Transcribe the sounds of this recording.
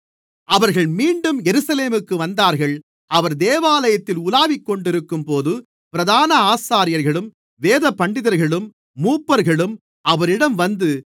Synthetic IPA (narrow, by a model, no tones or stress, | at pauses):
ɐʋɐɾɣɐɭmiːɳɖɯmjɛɾɯsɐleːmɯkːɯʋɐnd̪aːɾɣɐɭ | ɐʋɐɾd̪eːʋaːlɐjɐt̪ːɪlʊlaːʋɪkːɔɳɖɪɾɯkːɯmpoːðɯ | pɪɾɐðaːnɐaːsaːɾɪjɐɾɣɐɭɯm | ʋeːðɐpːɐɳɖɪðɐɾɣɐɭɯmː | uːpːɐɾɣɐɭɯm | ʔɐʋɐɾɪɽɐmʋɐnd̪ɯ